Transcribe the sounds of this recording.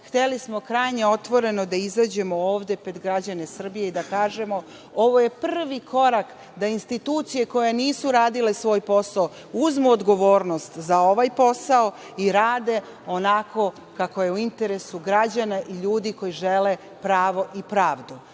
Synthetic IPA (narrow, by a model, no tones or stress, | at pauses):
xt̪e̞lismokɾajɲe̞o̞t̪ʋo̞ɾe̞no̞d̪aizad͡ʑe̞mo̞oːʋd̪e̞ped̪ɡɾad͡ʑane̞sr̩bijeid̪akaːʒe̞mo̞ | o̞ʋo̞je̞pr̩ʋikʰo̞ɾak | d̪ainst̪it̪uːt̪sije̞ko̞jeniːsuɾaːd̪ile̞sʋo̞ːjpo̞sao | uzmuod̪ɡo̞ʋoːɾno̞st̪zaoʋajpo̞sao | iɾaːd̪e̞ | o̞nako̞ | kako̞je̞uint̪e̞ɾe̞suɡɾad͡ʑanaʔiʎuːd̪iko̞jiʒe̞le̞ | pɾaːʋo̞ʔipɾaːʋd̪u